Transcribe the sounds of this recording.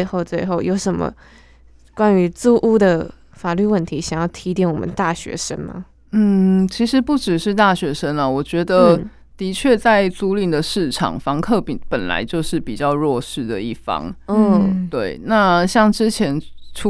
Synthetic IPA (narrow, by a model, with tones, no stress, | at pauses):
ɪxo˥˧ʊt͡swe˥˧ɪxo˥˩ʊjo˧˥ʊʂə˨˩nmə̰˧˦ | kwa˦˥ny˧˥t͡su˥˧ʔu˥d̪ə˨ | fa˨˩ly˥˧wə˥˩nt̪ʰi˧˥ɕjɑ˨˩ŋjɑ˥˩ʊt̪ʰi˧˥t̪i˥˩nwɔ˨˩mə̰˦nt̪a˥˩ɕɥɛ̰˧˥ʂə̰˥nmɐ̰˨ | n̩˥˩t͡ɕʰi˧˥ʂɻ̩˧˦˥pu˥˩ʈ͡ʂɻ̩˨˩ʂɻ̩˥˧t̪a˥˩ɕɥɛ˧˥ʂə˥nə˨wɔ˨˩t͡ɕɥɛ˧˥d̪ə˧˩ | t̪i˧˥t͡ɕʰɥɛ˥˧t͡sa˥˧ɪt͡su˥li˥˩ŋd̪ə˩ʂɻ̩˥˩ʈ͡ʂʰɑ̰˨˩ŋfɑ˧˥ŋkʰɤ˥˧pi˨˩ŋpə˨˩nla̰˧˦ɪt͡ɕjo˥˧ʊʂɻ̩˥˩pi˨˩t͡ɕjɑ˥˧ʊɻwɔ˥˧ʂɻ̩˥˩d̪ə̰˩i˥˩fɑ̰˥ŋɔ˥˩t̪we˥˩ɪna˥˧ɕjɑ˥˩ŋʈ͡ʂɻ̩˥t͡ɕʰjɛ˧˥nʈ͡ʂʰu˥